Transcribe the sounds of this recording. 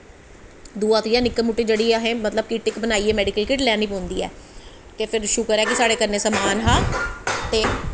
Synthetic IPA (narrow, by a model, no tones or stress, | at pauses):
d̪uːãːt̪jãːnɪkːəmuːʈːeːd͡ʒeːɽiːaɦẽːmət̪ləb̚kiːʈɪkbənaːiːɛːmɛːɖikəlkɪːʈlɛːniːpõːnd̪iːɛ̰ː | t̪eːpʰɪɾʃʊkəɾɛːkɪsaːɽeːkəɾneːsəmaːnɦaːt̪eː